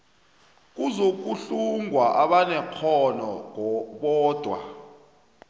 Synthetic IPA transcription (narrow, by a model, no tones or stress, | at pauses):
k̬uzok̬uɬuŋʱwaʔaɓanɛkʰɔnɔŋʱɔɓɔːd̥ʱwa̰